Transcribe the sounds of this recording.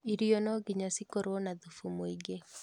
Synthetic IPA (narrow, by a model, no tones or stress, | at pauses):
iɾiɔnɔɡiɲasikoɾwɔnaðufumoiɡe